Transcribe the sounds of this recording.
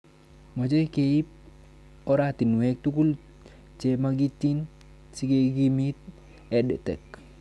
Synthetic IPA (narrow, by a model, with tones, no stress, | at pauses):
mo˨t͡ʃe˦ke˨i˦p̚ | ɔ˦ɾat̪i˨nu˨ɛ˦k̚t̪u˦ku˦l | t͡ʃemaɡi˦tːi˦n | si˦ke˦ɡi˦mi˦t̪̚ | ɛdɛ̰˨tɛ̰˨k